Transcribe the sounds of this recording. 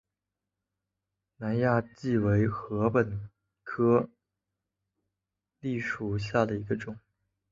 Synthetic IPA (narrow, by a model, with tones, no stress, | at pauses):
na˧˥nja˥˧t͡ɕi˥˩we˧˥ɪxɤ˧˥pə˨˩n | kʰɤ˥ | li˥˩ʂu˨˩ɕja˥˩d̪ə˩i˧˥ɡə˧ʈ͡ʂʊ˨˩˦ŋ